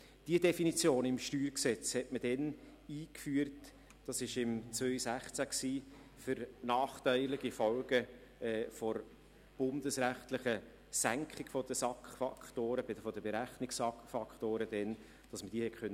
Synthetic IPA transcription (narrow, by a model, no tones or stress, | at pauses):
d̥iədɛfinit͡sjoːnɪmʃtyːɾksɛt͡shɛtməd̥ɛn | iːkfyːəɾt | d̥ɑsɪʃɪmt͡svøʏsæχt͡sæksiː | fʏɾnɑːχtæɪlɪɡ̥ifɔlɡ̥ə | ɛːfɔɾ | b̥ʊndəsɾæχtlɪχə | sæŋkʰɪɡfɔd̥əsɑkχfɑkχtoːɾəbɪdəfɔdəbɛɾæχnɪksfɑkfɑkχtoːɾədɛn | d̥ɑsməd̥iːhɛkʰχœn